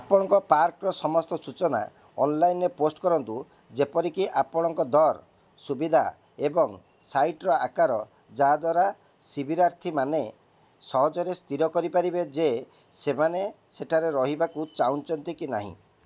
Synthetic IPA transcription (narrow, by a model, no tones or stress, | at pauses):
apɔɽ̃ɔŋkɔpaɾkɾɔsɔmɔst̪ɔsut͡ʃɔna̰ | ɔnlajnɾeposʈkɔɾɔnt̪u | d͡ʒepɔɾikiʔapɔɽ̃ɔŋkɔd̪ɔɾ | subid̪ʱa̰ | ebɔŋ | sajʈɾɔa̰kaɾɔ | d͡ʒaɦad̪waɾa | sibʱiɾaɾt̪ʰimane | sɔɦɔd͡ʒɔɾest̪iɾɔkɔɾipaɾibed͡ʒe | semane | seʈʰaɾeɾɔɦibakut͡ʃaunt͡ʃɔnt̪ikinaɦḭ̃